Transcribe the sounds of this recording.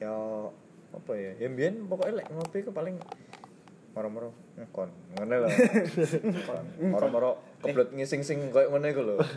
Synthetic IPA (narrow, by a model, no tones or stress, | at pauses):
ja | a̰pajajambiɛnpɔkɔelɛʔŋopikupalɪŋ | mɔɾɔmɔɾɔ | ŋakɔnŋənɛla | kɔ̰nɔɾɔmɔɾɔkəblɔt̪̚ŋisɪŋsɪŋkojʔŋənɛkulo